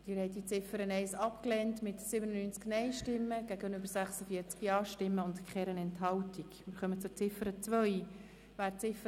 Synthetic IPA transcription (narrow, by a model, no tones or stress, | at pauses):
d̥ɪːɾhɛɪtdit͡sɪfəɾənɛɪsɑpklɛntmɪtsɪbənənyːnt͡sknɛɪʃtɪmːəɡæɡənøbəɾsæχsəfiəɾt͡skjɑːʃtɪmːəʊndkχɛɾənɛnthɑltikmɪɾχœmət͡sʊɾt͡sɪfəɾət͡svœʏj | væːɾt͡sɪfə